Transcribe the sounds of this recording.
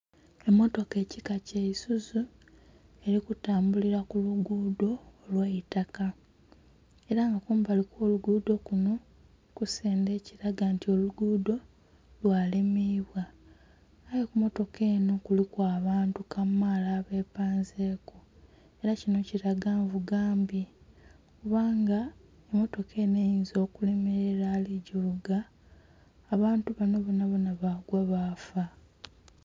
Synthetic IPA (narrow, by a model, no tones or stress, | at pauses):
e̞mːo̞to̞ke̞ːcikaceisuzu | e̞ɾikutaːmbuliɾakuluɡuːdo̞ːlweitaka | e̞ɾaŋɡakuːmbalikwo̞ːluɡuːdo̞kuno̞ | kuse̞ːnde̞ːciɾaɡantio̞luɡuːdo̞ | lwaːlemiβwaː | jekumo̞to̞kʰe̞ːno̞kulikwaːβaːntukamalaːβe̞paːnzeːku | e̞ɾacino̞ciɾaɡaːɱvuɡaːmbi | kuβaːŋɡa | emo̞to̞kʰe̞ːne̞jiːnzo̞ːkule̞me̞ɾeɾaːliɟuluɡaː | βaːntuβano̞βonaβonaβaɡwaβaːfa